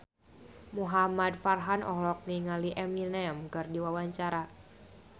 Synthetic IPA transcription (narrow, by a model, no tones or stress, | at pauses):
muɦamadfarɦanʔɔ̰hlɔk̚niŋaliʔɛminɛmkɨrdiwawaɲt͡ʃaɾa